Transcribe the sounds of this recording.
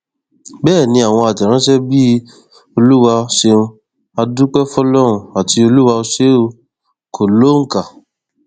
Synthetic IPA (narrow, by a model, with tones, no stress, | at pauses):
bɛː˦˨nĩ˧a˨w̃ɔ̃˧a˨tɛ˨ɾ̃ã˨˦ʃɛ˦bi˦ | o˧lu˦wa˧ʃe˧ũ˧ | a˧du˦k͡pɛ˦fɔ˦lɔ˦ɾ̃ũ˧a˨ti˧o˧lu˦wa˧o˧ʃe˦o˧ | kʰo˨lo˨˦ŋ̩˨ka˨